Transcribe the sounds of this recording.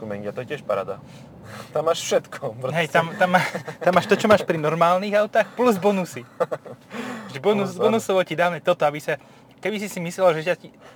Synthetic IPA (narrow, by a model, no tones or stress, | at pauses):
umɛɲiat̪ɔɛcɪɛʃpaɾa̰ːd̪a̰ | t̪amːaːʃfʃɛt̪kʰɔpɦɛjt̪amt̪amːaːʃt̪amːaːʃt̪ɔt͡ʃɔmaːʃpɾinɔɾmaːlniɣaʊt̪axpluzbɔnusi | ʒɛbɔnusɔnusɔʋɔcid̪aːʊɲɛt̪ɔt̪ɔabisa | kɛbisisimislɛlʒɛʒaci